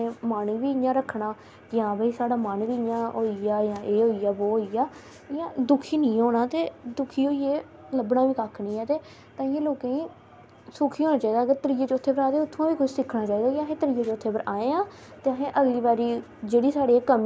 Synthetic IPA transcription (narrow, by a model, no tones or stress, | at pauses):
ẽːmaːnũːʋiːɪjãːɾəkʰːɳaː | ɪjãːbəiːsaːɽaːmənʋiːɪjãːɦoːiaːjãːʔeːɦoːijaːboːɦoːijaː | ɪjãːd̪ʊkʰiːnĩːɦoːnaːt̪eːd̪ʊkʰiːɦoːiːeː | ləbnãːʋiːkaːkʰnĩːɛːt̪eː | t̪ãːɪjãːloːkẽːĩː | sʊkʰiːɦoːnaːt͡ʃaːiːd̪aːəɡəɾt̪əɾɪjeːt͡ʃːʊt̪ʰːeːpəɾaːt̪eːʊt̪ʰːõːʋiːkʊʃsɪkʰnaːt͡ʃaːiːd̪aːkɪəɦẽːt̪əɾɪjeːt͡ʃːʊt̪ʰːeːpəɾʔaːẽːãː | t̪eːəɦẽːʔəɡliːbaːɾiː | d͡ʒeːɽiːsaːɽeːkəm